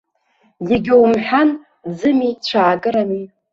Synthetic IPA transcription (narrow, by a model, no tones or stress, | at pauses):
jaɡʲɪwmħʷᶣan | d͡zɨmit͡ɕʷʰaːkʼɨɾani